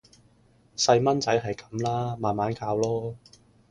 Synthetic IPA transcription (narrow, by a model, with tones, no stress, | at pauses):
sɐ˧jmɐ˥nt͡sɐ˨˥jɦɐ˨jkɐ˨˧˦mlaː˥maː˨nmaː˨˥nkaː˧wlɔː˥